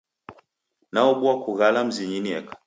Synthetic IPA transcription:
naɔɓuakuɣalam̩ziɲiniɛkḁ

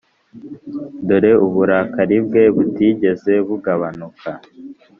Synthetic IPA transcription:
doɾe̞uβuɾakaɾib̚ɡe̞βutiɟe̞ze̞βuɡaβanukʰa

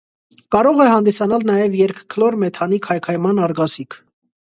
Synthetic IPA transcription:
kɑɾɔʁɛhɑnd̪isɑnɑlnɑjɛvjɛɾkʰkʰlɔɾmɛt̪ʰɑnikʰɑjkʰɑjmɑnɑɾɡɑsikʰ

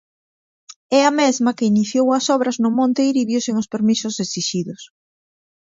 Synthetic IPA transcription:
ɛamezmɐkɪiniθjowɐsɔβɾɐznʊmõnt̪eiɾiβjʊseŋʊspeɾmisʊsesiʃiðʊs

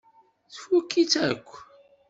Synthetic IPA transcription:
θəfukːit͡sækʷː

